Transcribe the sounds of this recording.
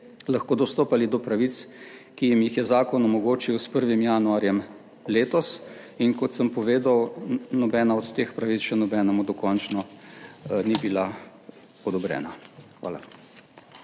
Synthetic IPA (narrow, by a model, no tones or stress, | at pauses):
laxkoːd̪ɔst̪oːpalid̪ɔpɾaʋit̪skijimjixjɛzaːkɔnɔmɔɡoːt͡ʃiwspəɾʋimjanuaɾjɛm | leːt̪ɔs | inkɔt̪səmpɔʋeːd̪awnɔbɛːnaɔt̪ːeːxpɾaʋit̪t͡ssʃɛnɔbɛːnɛmud̪ɔkɔnt͡ʃnɔ | nibila | ɔd̪ɔbɾɛ̰ːnaxʋa̰ːla̰